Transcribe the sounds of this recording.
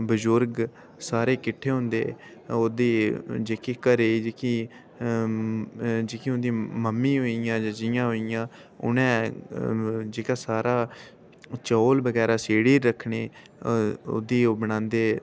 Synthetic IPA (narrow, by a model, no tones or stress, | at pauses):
bəzʊɾɡ | saːɾeːkɪʈʰːeːɦʊ̃nd̪ḛːoːd̪eːd͡ʒeːkiːkəɾeːd͡ʒeːkiː | d͡ʒeːkiːɦʊnd̪iːməmːĩːɦoːijãːd͡ʒaːd͡ʒɪjãːɦoːɪjãː | ʊ̰nɛ̃ː | d͡ʒeːkaːsaːɾaː | t͡ʃoːlbəɡɛːɾaːseːɽiːɾəkʰɳeː | o̰ːd̪iːoːbəɽãːnd̪eː